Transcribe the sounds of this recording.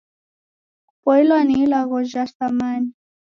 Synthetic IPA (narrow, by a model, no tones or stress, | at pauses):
pɔilwaniilaɣɔʒast̪amani